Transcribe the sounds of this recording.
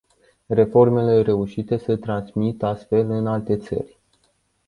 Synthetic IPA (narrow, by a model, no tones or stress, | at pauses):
re̞fo̞rme̞le̞ɾe̞uʃit̪e̞sət̪ɾansmit̪ast̪fe̞lɨnalt̪e̞t̪sə̰rʲ